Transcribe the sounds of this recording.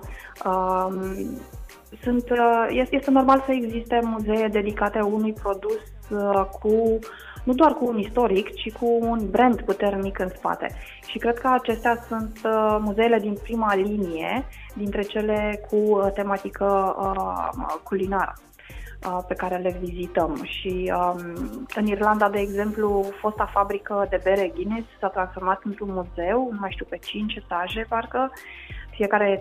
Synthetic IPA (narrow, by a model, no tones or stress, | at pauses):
ə | sunt̪jeje̞st̪e̞no̞rmalsəeɡzist̪e̞muze̞je̞d̪e̞d̪ikat̪e̞unujpɾo̞d̪us | kʰu | nud̪oarkuːnist̪o̞ɾikt͡ʃikʰuːnbɾe̞nd̪put̪e̞rnikɨnspa̰t̪e̞̰ | ʃikɾe̞d̪̥̚kəat͡ʃe̞st̪easunt̪muze̞ele̞d̪inpɾimalinije̞ | d̪int̪ɾe̞t͡ʃe̞le̞kʰut̪e̞mat̪ikʰəə | kulinaɾə̰ | əpe̞kaɾelevizit̪əmʃiəmɨnirland̪ad̪e̞ːɡze̞mplufo̞st̪afabɾikəd̪e̞be̞ɾeɡʲinezsat̪ɾansfo̞rmat̪ɨnt̪ɾunmuze̞wnumajʃt̪iuwpe̞t͡ʃint͡ʃsaʒe̞parkəfie̞kaɾe̞